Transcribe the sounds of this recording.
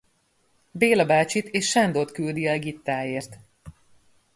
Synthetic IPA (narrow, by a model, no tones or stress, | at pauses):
beːlɒbaːt͡ʃit̪eːʃʃand̪ot̪kyld̪iɛlɡit̪ːaːeːrt̪